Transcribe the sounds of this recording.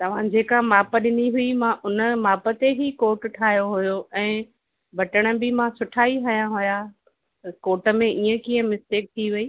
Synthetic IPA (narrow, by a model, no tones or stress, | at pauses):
t̪ɐʋ̤ãd͡ʑeːkamaːpəɗɪniɦʊimãʔʊnəmaːpə̆t̪eɦikoːʈʈʰaːɦjoɦʊjoʔɛ̃ː | bʱɐʈəɽ̃ə̆bɪmãsʊʈʰaːiɦɐjãɦʊja | koːʈə̆mẽʔiːə̃kiːə̃mɪst̪eːk̚t̪ʰiʋɐiː